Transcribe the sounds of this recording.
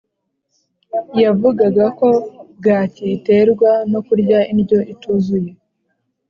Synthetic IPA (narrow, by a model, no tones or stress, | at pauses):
javuɡaɡako̞ɡaːciːte̞ɾɡwano̞kuɾɟainɟo̞ʔituzuje̞